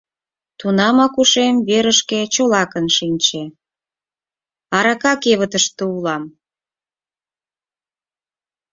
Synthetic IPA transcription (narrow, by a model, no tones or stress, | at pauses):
t̪unɑmɑkuʃemβeɾəʃket͡ɕolɑkənʃinʲt͡ɕe | ɑɾɑkɑkeβət̪əʃt̪əulɑm